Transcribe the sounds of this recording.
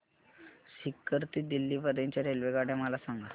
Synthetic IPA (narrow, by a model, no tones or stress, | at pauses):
ɕikːəɾt̪iːd̪ilːiːʋəɾẽɲt͡ɕaɾelʋeɡaɽɛməlasaŋɡa